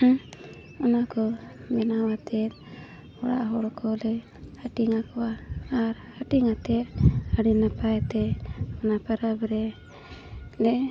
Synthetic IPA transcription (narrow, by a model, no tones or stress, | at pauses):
ɔnakɔmɛnawat̪ɛt̪̚ | ɔɽa̰ʔɦɔɽkʰɔlɛ | aʈiŋakɔwaːɾ | aʈiŋat̪ɛt̪̚aɽinapajɛt̪ɛɔnapaɾabɛɾɛ | lɛ